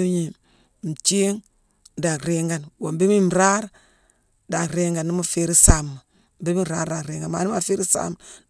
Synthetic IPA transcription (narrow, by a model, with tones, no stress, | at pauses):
ɲi˨ | m̩˨t͡ʃe˦ŋ | da˨kɾe˦ŋɡa˨nwo˨m˨be˦mi˦m˨ɾa˦ɾ | da˨kɾe˦ŋɡa˨nːi˦ma˦fe˦ɾi˦sa˨mːa˨ | m˨be˦mi˦˨ɾaː˦ɾda˨ɾe˨ŋɡa˨ma̰˨ni˦ma˦fe˦ɾi˦sa̰˦m